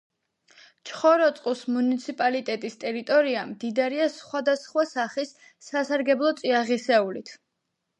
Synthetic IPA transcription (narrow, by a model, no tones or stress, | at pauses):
t͡ʃʰχɔɾɔt̪sʼqʼusmunit̪sʰipʼalit̪ʼɛt̪ʼist̪ʼɛɾit̪ʼɔɾiamd̪id̪aɾiasχwad̪asχwasaχisː | asaɾɡɛblˠɔt̪sʼiaʁisɛulit̪ʰ